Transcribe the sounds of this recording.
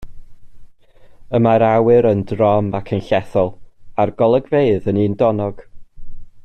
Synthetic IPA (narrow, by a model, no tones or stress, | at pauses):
əmaɾawɨɾəndrɔmakʰənɬɛθɔlˠarɡ̥ɔlˠəɡveɨðəniːndɔnɔɡ̥